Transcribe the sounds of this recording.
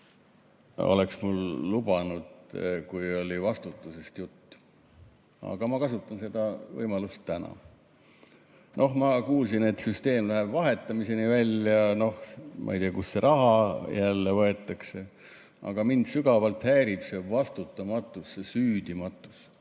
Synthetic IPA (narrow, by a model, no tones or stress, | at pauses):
o̰le̞ksmulːub̥ɑnud̪̥kujo̞lʲivɑst̪ut̪ːˑuse̞st̪jut̪ː | ɑ̰ɡ̥ɑmɑkɑsut̪ːˑɑnse̞d̪ɑvɤ̰jmɑlust̪ːænɑ̰ | nʔo̞hmɑkuːlsine̞t̪syst̪e̞ːmlæɦebvɑɦe̞t̪ːˑɑmise̞nivælʲjɑno̞hmʔɑ̰ḭjt̪iɑkusːe̞ɾʔɑɦɑjælːevɤe̞t̪ːˑɑkse̞ | ʔɑ̰ɡ̥ɑmind̪̥syɡɑvɑlt̪hæːɾib̥se̞vɑst̪ut̪ːˑɑmɑt̪ːˑusːesyːd̪̥imɑt̪ːˑu̥s